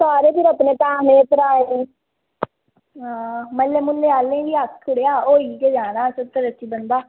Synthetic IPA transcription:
saːɾeːpɪɾəpneːp̪ãːnẽːpəɾaːe | ɦãːməlːeːmʊlːeːaːlẽːʋiːaːkkʰʊɽeaːoːiːkeːd͡ʒaːnaːsət̪ːəɾət͡ʃiːbənd̪aː

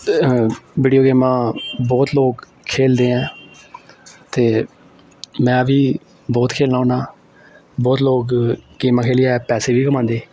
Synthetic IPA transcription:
ʋiːɖijoːɡeːmãːbɔːt̪loːk | kʰːeːld̪eːɛ̃ː | t̪eː | mɛ̃ːʋiː | bɔːt̪kʰeːlnaːõːnaː | bɔːt̪loːkɡeːmãːkʰeːlijaːɛːpɛːseːʋʱiːkəmãːnd̪eː

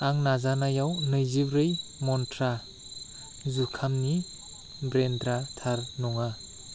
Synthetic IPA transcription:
aŋnazanajawnɯjzibɾɯjmɔntʰɾa | zukʰamni | bɾendɾatʰaɾnɔŋa

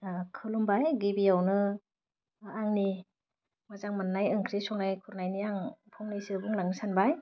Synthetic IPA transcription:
kʰɯlɔmbajɡibijawnɯ | aŋni | mazaŋmanːajɯŋkʰɾisɔŋnajkʰuɾnajniaŋpʰɔŋnajsɯbuŋlaŋnɯsanbaj

